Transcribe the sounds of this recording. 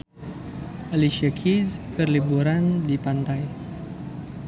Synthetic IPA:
ʔaliʃiakʰizkərlibuɾandipant̪aj

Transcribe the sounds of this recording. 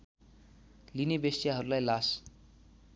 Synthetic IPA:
linebesjaɦʌɾulajlas

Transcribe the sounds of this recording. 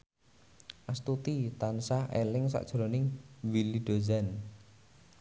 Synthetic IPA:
ʔast̪ut̪it̪ansahelɪŋsa̰ʔd̥ʒ̥ɾonɪŋwiliɖ̪̥o̤zan

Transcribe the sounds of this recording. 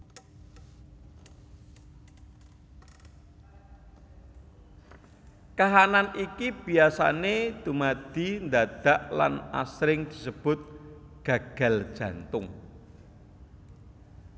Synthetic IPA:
kaɦananikib̥i̤asa̰ned̪̥umad̪̥i̤nd̪ad̪̥a̤ʔla̰na̰sɾɪŋd̪̥i̤səb̥ʊt̪̚ | ɡ̥ä̤ɡ̥a̤l̥ʒ̥ä̤nt̪ʊŋ

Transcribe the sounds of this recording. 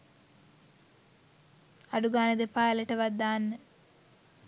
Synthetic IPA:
aɖuɡaːnəd̪epaːleʈəʋad̪ːaːnːə

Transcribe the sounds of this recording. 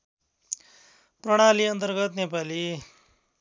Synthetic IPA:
prʌɽ̃aliʌnt̪ʌrɡʌt̪nepali

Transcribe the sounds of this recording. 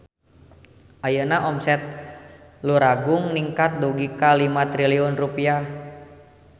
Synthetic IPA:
ʔajənaʔɔmsɛt̪̚ | luɾaɡʊŋniŋkat̪̚dɔɡikalimat̪ɾiliɔnrupiah

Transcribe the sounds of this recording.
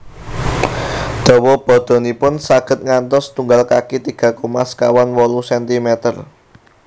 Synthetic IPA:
d̪̥ɔ̤wɔb̥ɔ̤d̪̥o̤nipʊnsaɡ̥ə̤t̪̚ŋant̪ɔst̪uŋɡalkakit̪iɡ̥ä̤komaskawanwɔlusɛnt̪imɛt̪ər

